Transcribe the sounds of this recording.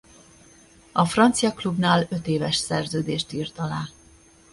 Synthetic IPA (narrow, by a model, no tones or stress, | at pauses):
ɒfrɒnt̪sijɒklubnaːlø̞t̪eːvɛʃsɛrzøːd̪eːʃt̪iːrt̪ɒlaː